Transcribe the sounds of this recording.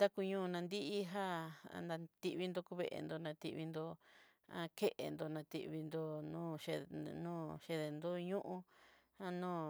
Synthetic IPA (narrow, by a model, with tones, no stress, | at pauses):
t̪a˦ku˧ɲũ˦˧nã˧nd̪i˦ʔi˦ɦa˦a̰˧nã˧t̪i˧ʔβi˧nd̪o˧ku˧βḛ˧˨ʔḛ˧˨nd̪o˧nã˧t̪ḭ˧βi˧nd̪o˧ | ã̰˧ke˦ʔḛ˨nd̪o˧nã˧t̪ḭ˧ʔβi˧nd̪o˧nũː˦ʃe˧nũː˦ʃe˧ðe˨˧nd̪o˦ɲũ˦ʔũ˦ha˦nũː˦˨